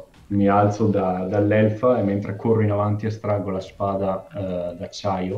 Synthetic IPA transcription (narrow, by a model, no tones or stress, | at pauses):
mialt̪sod̪ad̪alːɛlfaement̪ɾekorːinavant̪iest̪ɾaɡolaspaːd̪ad̪at͡ʃːajo